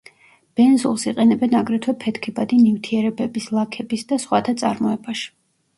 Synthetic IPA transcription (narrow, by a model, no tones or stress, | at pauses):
b̥ɛnzulˠsiqʼɛnɛbɛnaɡɾɛt̪ʰwɛpʰɛt̪ʰkʰibad̪inivt̪ʰiɛɾɛbɛbislˠakʰɛbisd̪asχwat̪ʰat̪sʼa̰ɾmɔɛbaʃi̥